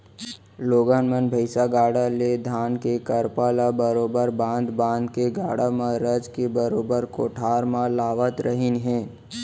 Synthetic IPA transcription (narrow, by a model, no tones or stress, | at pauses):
loːɡaːnmənbʱəɪsaɡaːɽaled̪ʱaːnkekəɾpaːlabəɾoːbəɾbãːnd̪bãːnd̪keɡaːɽamãɾəd͡ʒkebəɾoːbəɾkoːʈʰaːɾmãlaːʋət̪ɾəɦɪnɦɛ̃ː